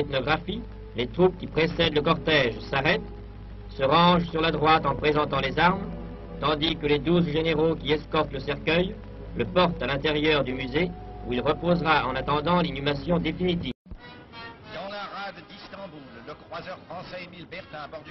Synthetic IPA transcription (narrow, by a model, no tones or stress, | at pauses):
ɛt̪nɔɡʁafi | let̪χup̚kʲipχesɛd̪ləkɔʁt̪ɛʒsaʁɛt̪ | səʁɑ̃ʒsyʁlad̪ʁwat̪ɑ̃pχezɑ̃t̪ɑ̃lezaʁm | t̪ɑ̃d̪ikəled̪uzʒeneʁokʲiɛskɔʁt̪ləsɛʁkʲœj | ləpɔʁt̪alɛ̃t̪eʁjœʁd̪ymyzeuilʁəpozʁaɑ̃nat̪ɑ̃d̪ɑ̃linymasjɔ̃d̪efinit̪iːv | d̪̥ɑ̃laʁad̪ːist̪ɑ̃bulːəkχwazœʁfχɑ̃sɛemilbɛʁt̪ɛ̃abɔʁd̪